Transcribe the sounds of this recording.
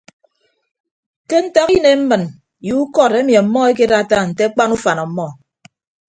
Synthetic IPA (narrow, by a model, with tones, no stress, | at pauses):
ke˦n̩˦ta˦ki˦ne˨m̩˦mɨ˨n | ju˨˦u˦kɔ˦˨ɾe˦mi˨a˨m̩˦mːɔ˦e˦ke˦ɾa˦˨ta˦n̩˨te˦k͡pa˦nu˦fa˨nɔ˨˦mɔ˦˨